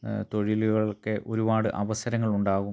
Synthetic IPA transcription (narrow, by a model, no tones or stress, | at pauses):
t̪o̞ɻiluɣɐɭkeʔo̞ɾubaːɽɨʔɐʋɐsɐɾɐŋːɐɭuɳɖaːɣu